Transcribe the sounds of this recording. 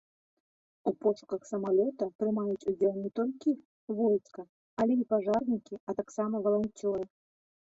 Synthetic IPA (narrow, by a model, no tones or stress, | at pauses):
upɔʂu̥kɐxsɐmalʲɔt̪ɐpɾɨmajut͡sʲud͡zʲɛlˠnʲɛt̪ɔlʲkʲi | vɔjt̪skɐ | ɐlʲɛipaʐarnʲikʲiɐt̪aksamɐvɐlˠant͡sʲɔɾɨ